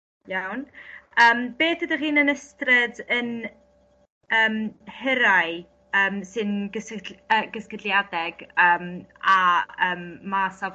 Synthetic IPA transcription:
jawnəːmb̥eːθədəχiːnənəstrɪdən | əːmhɪɾaj | əːmsɨnɡəsəɡəskədlˠjadɛɡ̥əːmaəːmːasav

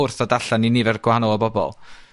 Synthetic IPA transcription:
ʊrθadaɬaninivɛrɡ̥wahanɔlˠɔbɔbɔ̰lˠ

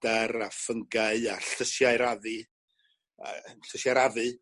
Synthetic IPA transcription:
d̥aɾafəŋɡaɨaɬəʃjaɨɾaðɨ | nɬəsjaɾaðɨ

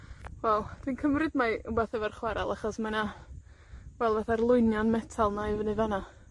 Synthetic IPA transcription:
wɛlˠd̥winkʰəmrɨdmajʊbaθɛvarχwaɾa̰lˠaχɔsmana | wɛlˠvaθarlˠʊɨnjɔnmɛtʰalˠnavənɨvana

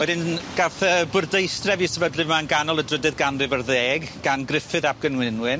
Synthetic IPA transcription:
wɛdɪnɡ̥aθəbʊrdejstrɛvisɛvədlɨvmanɡanɔlˠədrədɨðɡanrɨvərðeːɡɡ̥anɡrɪfɨðab̚ɡ̥ənwɪnwɨn

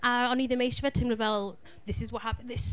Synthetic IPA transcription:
ʔəə̃niːðəmeɪʃəvɛtʰɪ̃mləvɛlˠ | ðɪsɪzwɒʔhapə̃nðɪs

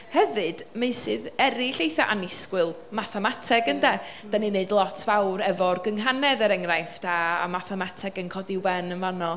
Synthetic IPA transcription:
hɛvɨd̥meɨsɨːðɛɾiɬejθaʔanɪskwɨlˠ | maθɛmatʰɛɡəndɛd̥anineɨdlˠɔtʰvawɾɛvɔrɡəŋɦanɛðəɾɛŋrajfd̥aamaθɛmatʰɛɡənkʰɔdiwɛnənvanɔ

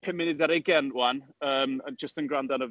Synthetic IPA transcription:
pʰɪmɪnɪdaɾeɡɛnwanəːməd͡ʒəstənɡrandanə

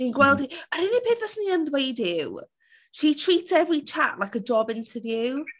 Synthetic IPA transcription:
ninɡwɛlˠdiəɾinipʰeːθvəsniːəndwejdɪw | ʃitʰr̥iːtsɛvrit͡ʃʰaʔlˠajkəd͡ʒɔbɪntʰəvjuw

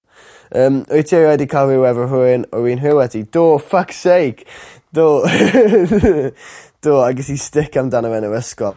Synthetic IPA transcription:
əːmɔjtʰiɾɛjdikʰaɪwɛvəɦʊɪnɔwiːnɦɪwɛtid̥oːfaksejk | d̥oː | d̥oːaɡɛsistɪkʰamdanəvɛnəɾəskɔ

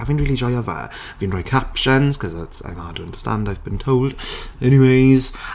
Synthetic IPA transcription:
avɪ̃nɹiːlˠid͡ʒɔɪɔvə̰ | vĩnɹɔɪkʰapʃə̃nz̥kʰʌzətsã̰ɪ̃madʰəə̃ndəstã̰ndaɪvbĩntʰoʊlˠd̥ɛñiweɪz̥

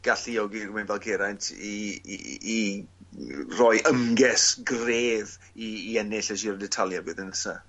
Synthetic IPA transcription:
ɡ̥aɬijɔɡiɡmɛnbalˠɡʰɛɾajntʰḭː | rɔɨjʔəmɡɛsɡreːv | iːɛnɪɬɛʃirdɛtʰalˠjabɪːðɪnəsa

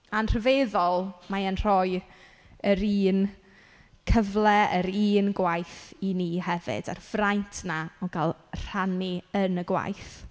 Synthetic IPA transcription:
anr̥əveðɔlˠmaənr̥ɔj | əɾiːn | kʰəvlˠɛəɾiːnɡwajθiniːɦɛvɪ̰d̥a̰rvrajntʰnaɔɡalˠr̥aniənəɡwa̰jθ

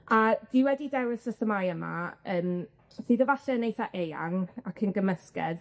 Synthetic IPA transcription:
ad̥iwɛdidɛwɪsəθəmajəma̰əːm | siðəvaɬɛənejθaʔeja̰ŋakʰənɡəməskɛ̰ð

